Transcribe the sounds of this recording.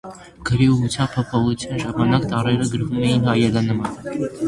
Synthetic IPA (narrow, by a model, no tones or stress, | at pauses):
ɡ̥əɾiuʁut͡sʰjɑmb̚pʰɔpʰɔχut͡sʰjɑnʒɑmɑnɑkt̪ɑrɛɾəɡəɾvumɛjinɦɑjɛlɑnəmɑn